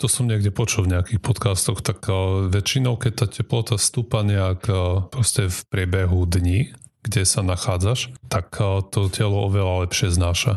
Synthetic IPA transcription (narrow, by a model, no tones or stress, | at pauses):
t̪ɔsɔmɲɛɡɟɛpɔt͡ʃulvɲɛakixpɔt̪kast̪ɔxt̪akʋɛt͡ʃinɔʊkɛc̚t̪aːcɛplɔt̪ast̪uːpaɲɛakːpɾɔscɛfpɾɪɛbɛɦud̪ɲiː | ɡ̥ɟɛsanaxaːd͡zaʃt̪akt̪ɔcɛlɔɔʋɛlalɛpʃɪɛznaːʃa